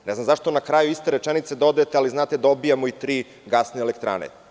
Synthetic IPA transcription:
nɛznamzaʃt̪onakɾajuist̪eɾet͡ʃenit̪se̞d̪od̪aet̪ealiznaːt̪ed̪o̞bijamoit̪ɾiː | ɡasneelekt̪ɾa̰nḛ

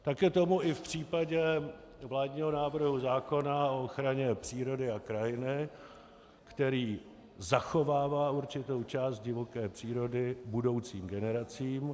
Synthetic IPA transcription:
t̪akɛːt̪o̞muɪfpr̝̥iːpaɟɛ | vlaːdɲiːɦo̞naːvr̩ɦuzaːko̞naooxɾaɲɛpr̝̥iːɾo̞dɪakɾajɪnɪ | kt̪ɛɾiː | zaxo̞vaːvaːuɾt͡ʃɪt̪o̞wt͡ʃaːst̪̚ɟɪvo̞kɛːpr̥iːɾo̞dɪbudo̞wt͡siːmɡɛnɛɾat͡siːm

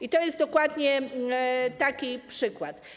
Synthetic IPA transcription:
it̪ɔjɛst̪d̪ɔkwad̪ɲɛ | t̪akʲipʂɘkwat̪

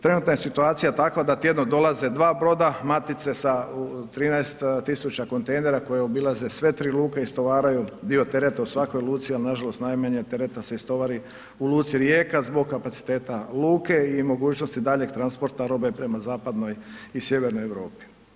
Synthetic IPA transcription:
t̪ɾe̞nuːt̪najesit̪uaːt̪sijat̪akʋad̪at̪je̞d̪nod̪o̞laze̞d̪ʋaːbɾo̞d̪amat̪it̪se̞saut̪ɾiːnaest̪t̪isut͡ʃako̞nt̪ejne̞ɾako̞jeobilˠazesʋe̞t̪ɾiːluːkeist̪o̞ʋaːɾajud̪io̞t̪e̞ɾet̪ausʋako̞jlˠuːt̪sialinaʒalˠo̞st̪najmaɲet̪e̞ɾet̪ase̞ist̪o̞ʋaɾi | ulˠuːt̪siɾjeːkazbo̞ɡ̚kːapat̪si̥t̪e̞ːt̪aluːkeimo̞ɡuːt͡ʃnost̪id̪aʎe̞ɡ̚t̪ɾanspo̞ɾt̪aɾo̞be̞pɾe̞mazaːpad̪no̞jisje̞ʋeɾnojeʋɾo̞̰ːpi̥

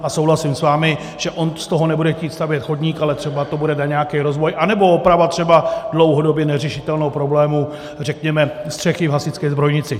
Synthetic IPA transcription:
aso̞wɦlasɪmsvaːmɪ | ʒ̥ɛʔo̞nst̪oɦo̞nɛbudɛxciːt̪st̪avjɛt̪xo̞dɲiːkalɛt̪r̥ɛbat̪obudɛnaɲɛakɛjɾo̞zvo̞jʔanɛbo̞opɾavat̪r̥ɛbadlo̞wɦo̞do̞bjɛnɛrɛʃɪt̪ɛlnowpɾo̞blɛːmu | rɛkɲɛmɛst̪r̝̥ɛxɪvɦasɪt͡skɛjzbɾo̞jɲɪt͡sɪ

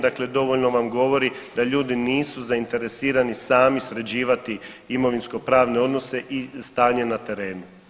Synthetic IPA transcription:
d̪akle̞d̪o̞ʋo̞ʎno̞ʋamɡo̞ʋo̞ɾid̪aʎuːd̪iniːsuzaint̪e̞ɾe̞siːɾanisaːmisɾe̞d͡ʑiːʋat̪i | imo̞ʋinsko̞pɾaːʋne̞o̞d̪no̞se̞ʔist̪aːɲe̞nat̪e̞ɾe̞ːnu

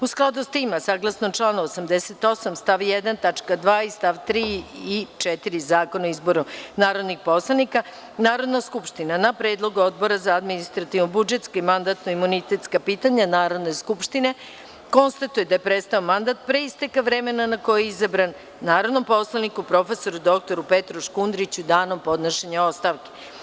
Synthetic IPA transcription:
usklˠad̪ust̪imasaːɡlˠasnomt͡ʂlˠanaosamd̪eset̪o̞samst̪aʋjed̪ant̪at͡ʃkad̪ʋaːist̪aʋt̪ɾiːit͡ʃɛt̪iɾizaːko̞naizbo̞ɾunaːɾo̞d̪nixpo̞slˠanika | naːɾo̞d̪naskupʃt̪inanapɾeːd̪lˠo̞ɡuo̞d̪bo̞ɾazaːd̪minist̪ɾat̪ivnobud͡ʒet̪skaimand̪at̪noimunit̪et̪skapiːt̪aɲanaːɾo̞d̪ne̞jskupʃt̪ine̞ | ko̞nst̪at̪uje̞d̪ajepɾet̪st̪aomand̪at̪̚pɾe̞ist̪ekaʋɾe̞me̞nanako̞jeizabɾanː | aːɾod̪no̞mpo̞slˠanikupɾo̞fe̞so̞ɾud̪o̞k̚t̪oɾupet̪ɾoʃkund̪ɾit͡ɕud̪aːno̞mpo̞d̪naʃeɲao̞st̪aʋke

